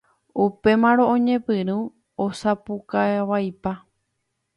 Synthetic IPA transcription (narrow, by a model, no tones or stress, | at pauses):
upe̞mãɾ̃õʔõɲẽ̞pɨɾũ | osapukaʋajpa